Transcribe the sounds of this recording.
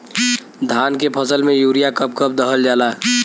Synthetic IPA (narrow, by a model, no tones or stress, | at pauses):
d̪ʱaːnkepʰəsəlmẽjuːɾijakəp̚kəp̚d̪əɦəld͡ʒaːla